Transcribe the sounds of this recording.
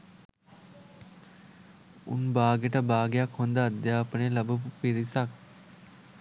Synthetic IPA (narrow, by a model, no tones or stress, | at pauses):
ṵnbaːɡeʈəbaːɡejakhond̪əːd̪jaːpənelɐbəpupiɾisak̚